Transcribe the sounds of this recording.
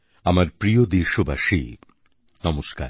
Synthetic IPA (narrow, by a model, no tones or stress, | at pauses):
amaɾpɾijod̪eʃobaʃḭ | nɔmoʃka̰ɾ